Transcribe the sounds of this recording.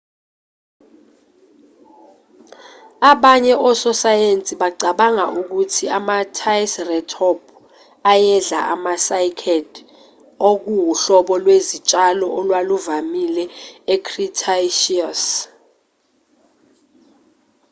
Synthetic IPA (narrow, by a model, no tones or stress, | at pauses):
aɓaɲɛʔɔsɔsajent͡sʼiɓaǀaɓaŋaʔuk̬utʰiamatʰajsrɛtʰɔb̚ʰ | ajɛɮa̰ʔamasajkʰɛd | ok̬uwuɬɔɓɔlwezit͡ʃʼalɔʔɔlwaluvamilɛekʰritʰaʃias